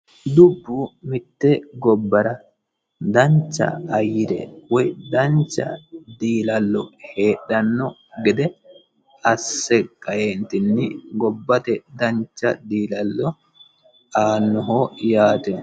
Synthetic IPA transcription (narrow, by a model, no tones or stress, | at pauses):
d̪ubːumɪt̪ːɛɡɔbːɐɾɐ | d̪ɐɲt͡ʃːɐ̰ːjːiɾɛ̰wɔjd̪ɐɲt͡ʃːɐ̰d̪iːlɐlːɔheːɗɐnːɔ | ɡɛd̪ɛ | ɐsːɛkʼːɐjent̪ɪnːiɡɔbːɐt̪ɛd̪ɐɲt͡ʃːɐ̰d̪iːlɐlːɔ | ʔaːnːɔɦoːjaːt̪ɛ